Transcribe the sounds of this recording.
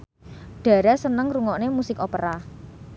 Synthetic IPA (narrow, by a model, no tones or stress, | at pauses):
ɖ̥a̤ɾasənəŋruŋɔʔnemusɪkopəɾa